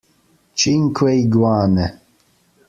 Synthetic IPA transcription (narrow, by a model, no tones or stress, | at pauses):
t͡ʃʼiŋkʰwɛjɡwaːnɛ